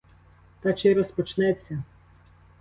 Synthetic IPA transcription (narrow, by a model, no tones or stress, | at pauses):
t̪ɑt͡ʃɪɾɔspɔt͡ʃnɛt͡sʲːɐ